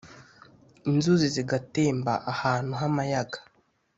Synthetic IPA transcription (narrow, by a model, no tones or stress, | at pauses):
inzuziziɡate̞ːmba̰ʔahaːn̥huɦamajaɡḁ